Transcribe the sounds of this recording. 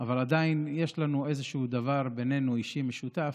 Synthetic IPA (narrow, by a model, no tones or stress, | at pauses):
avalad̪ainje̞ʃlanue̞zeʃuud̪avaʁbe̞ne̞nuiʃimeʃut̪af